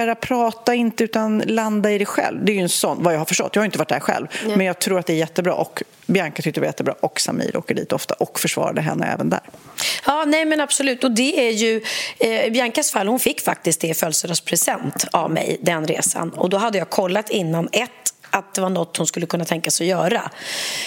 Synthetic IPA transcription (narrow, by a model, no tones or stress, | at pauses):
ɾapʰɾɑːt̪aɪnt̪əʉːt̪anland̪aɪd̪ɛjɧɛ̰lvd̪ɛæɾjɵɛnsɔnːvajɑːhaɾfœ̥ʂʈɔ̰t̪ːjɑːhajʏɪnt̪əvaʈ̚ːd̪æːɾɧɛ̰lvmɛnjɑːɡ̚t̪ʰɾuːɾat̪d̪ɛæɾjɛt̪ːəbɾɑ̰ːʔɔk | bjaŋkat̪ʰʏk̚t̪əɾvajɛt̪ːəbɾɑ̰ːʔɔksa̰mḭːɾʔo̰ːkəɖḭːt̪ɔft̪aʔɔkfœʂvɑ̰ːɾad̪əɦɛ̰nːə̰ɛ̰ːvənd̪æ̰ːɾjɑːnɛjmɛnab̥sɔlʉ̟ːt̪ɔd̪ɛæɾjɵ | bjaŋkasfalːhʊnfɪkːfak̚t̪ɪskt̪̚d̪ɛfœlsəɾaspʰɾɛsɛnt̪a̰vmɛ̰jd̪ɛnɾḛːsa̰nɔ̰d̪ɔɦad̪ːəjɑːɡkʰɔlːat̪ɪnːanɛt̪ːʔat̪̚d̪ɛvaɳɔt̪ːhʊnskɵlːəkʰɵnːat̪ʰɛŋkasɔjœːɾa